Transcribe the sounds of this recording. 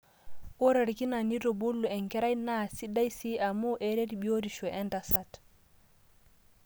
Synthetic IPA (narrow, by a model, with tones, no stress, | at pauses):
o˦ɾɛ˨ɾki˦na˨ni˦dɔbo˦lːu˨ɛ˨ŋkɛ˦ɾa˦jna˦si˦da˦jsi˦a˨mɔ˦ʔɛɾe˦diɓio˦ɾiʃɔʔɛ˦ndasat